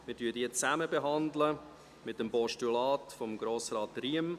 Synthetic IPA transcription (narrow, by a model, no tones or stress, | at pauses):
mɪɾdyədiːət͡sæməbeɦɑndlə | mɪtəmpɔʃtulɑːtfɔmɡɾoːsrɑːtriəm